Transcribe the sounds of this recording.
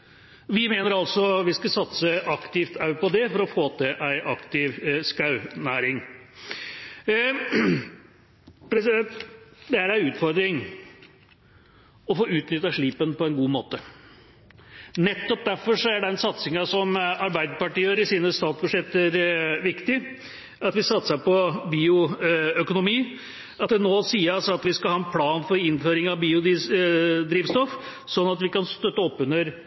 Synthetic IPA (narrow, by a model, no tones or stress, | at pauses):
ʋɪmeːnəɾɑlsɔʋɪskɑsɑt̪səʔɑkt̪ɪft̪ʰɑʉpɔd̪ɛfɔɾɔfoːt̪ʰɛʔæɪʔɑkt̪ɪʋskɑʉnæːɾɪŋ | pɾɛsɪd̪ɛnt̪d̪ɛæɾæɪʉːt̪fɔɾd̪ɾɪŋ | ɔfoːʉːt̪nʏt̪ːɑʂɭiːpənpɔɛnɡuːmoːt̪ə | nɛt̪ːɔp̚d̪æɾfɔʂɔæɖɛnsɑt̪sɪŋɑsɔmɑɾbæɪd̪əɾpɑʈiːəɾɪsiːnəst̪ɑːt̪sbʉd̪ʂjɛt̪ːəɾʋɪkt̪ɪ | ɑt̪ʋɪsɑt̪ːsɑpɔbiːʊœkʊnʊmiː | ɑt̪̚d̪ɛnoːsiːəɾɑlsɔɑt̪ʋɪskɑlhɑːɛnpʰlɑːnfɔɾɪnføːɾɪŋɑʋbiːʊd̪ | d̪ɾiːʋst̪ɔf | sɔnːɑt̪ʋɪkɑnst̪œt̪ːəɔpːʉnəɾ